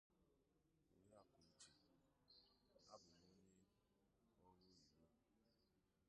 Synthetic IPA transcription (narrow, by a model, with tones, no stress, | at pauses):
o˨ɾa˦˨ko˨i˨t͡ʃe˨ | a˦bʊ˨no˦ɲe˦ | ɔ˦ɾo˦i˨ɾo˦